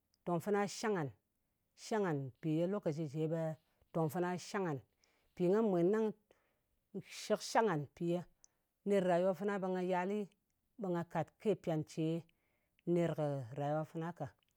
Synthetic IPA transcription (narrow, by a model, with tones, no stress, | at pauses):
to˨ŋfɨ˦na˦ʃa˦ŋa˨n | ʃa˦ŋa˨npi˨je˦lo˦ka˨d͡ʒi˧d͡ʒe˨˦be˧ | to˨ŋfɨ˦na˦ʃa˦ŋa˨n | pi˨ŋɡa˦mʷe˨nːa˦ŋ | ʃi˦kʃa˦ŋa˨npi˨je˦ | ne˦ɾɾa˨jwa˦fɨ˦na˦bə˧ŋa˧ja˧li˦ | be˧ŋɡa˧ka˨tke˦˨pi˨a˨nt͡ʃe˨˦ | ne˧ɾkə˨ɾa˨jwa˦fɨ˦na˦ka˨